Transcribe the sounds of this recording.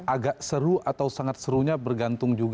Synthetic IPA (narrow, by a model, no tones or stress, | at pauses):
ʔaɡaʔsəɾuat̪awsaŋat̪̚səɾuɲabərɡant̪ʊŋd͡ʒuɡ